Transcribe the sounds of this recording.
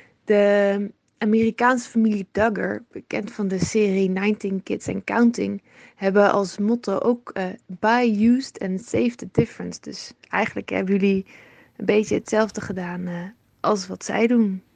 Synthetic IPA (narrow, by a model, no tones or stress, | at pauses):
d̥ə | ʔaːmeːrikaːnsə̥familidʌɡə̰ɹb̥əkɛntfɑndəsɪːrinajntɪnkɪtsɛ̰̃nkawntɪŋ | hɛbəʔɑ̰lˠsmɔtoʔowkːbajjuːstɛ̃nsejvdədɪfəɹənsd̥ɵsɛjχənləkɦɛ̰bəjɵli | ənbejtəətsɛlˠvdəχədaːn | ʔɑlˠsʋɑtsɛ̰jdun